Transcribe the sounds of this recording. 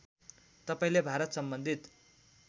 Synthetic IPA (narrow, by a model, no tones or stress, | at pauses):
t̪ʌpaĩlebʱaɾʌt̪sʌmbʌnd̪ʱit̪